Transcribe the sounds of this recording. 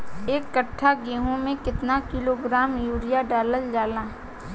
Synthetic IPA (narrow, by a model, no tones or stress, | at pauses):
eːkːəʈʰːaɡeːɦõmẽkɪt̪nakɪloɡɾaːmjuːɽijaɖaːləld͡ʒaːlaː